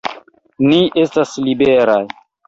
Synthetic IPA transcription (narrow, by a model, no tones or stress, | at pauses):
niʔe̞staslibeɾaj